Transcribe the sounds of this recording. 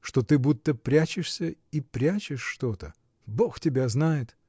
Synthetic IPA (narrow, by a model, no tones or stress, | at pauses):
ʂt̪ot̪ɨbut̪ːəpɾʲæt͡ɕɪʂsʲəipɾʲæt͡ɕɪʂːt̪ot̪ə | bo̞xtʲɪbʲaznajɪt̪